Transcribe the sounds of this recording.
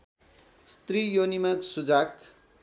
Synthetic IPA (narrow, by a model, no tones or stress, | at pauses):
st̪rijonimaksud͡zak